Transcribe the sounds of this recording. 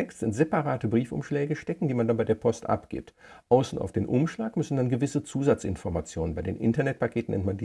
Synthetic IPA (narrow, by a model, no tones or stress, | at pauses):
ɛkstz̥ɪntz̥epaʁaːtəbʁiːfʊ̰mʃlɛːɡəʃtɛkŋ̩diːmandanbaɪdeːɐpʰɔstʔa̰pɡ̥ɪ̰p̚t | ʔaʊsn̩a̰ʊfd̥eːnʔʊmʃlaːkmʏsn̩danɡəvɪsət͡suːzat͡sʔɪ̰nfɔɐmat͡sjoːnənbaɪdeːnʔɪ̰ntɐnɛt̚pakʰeːtn̩nɛ̰ntmandiː